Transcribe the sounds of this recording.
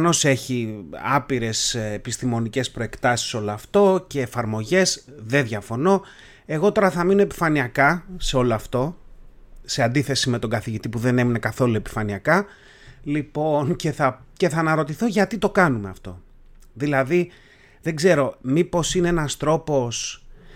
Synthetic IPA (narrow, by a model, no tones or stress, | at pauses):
ɐno̞se̞çiɐ̰piɾe̞sːpist̪imo̞nice̞spɾo̞e̞kt̪ɐsi̥so̞loɐft̪o̞ce̞ːfɐɾmo̞ʝe̞sðe̞ðʝɐfo̞no̞ | e̞ɣo̞t̪o̞ɾɐθɐmino̞e̞pi̥fɐniɐkɐse̞o̞loɐft̪o̞ | se̞ɐnd̪iθe̞sime̞t̪o̞ɡɐθiʝit̪ipuðe̞ne̞minekɐθo̞lue̞pi̥fɐniɐkɐ | lipo̞nce̞θɐce̞θɐːnɐɾo̞t̪iθoʝɐt̪it̪o̞kɐnume̞ɐft̪o̞̰ | ðilɐði | ðe̞ɡze̞ɾo̞mipo̞sineenɐst̪ɾo̞po̞s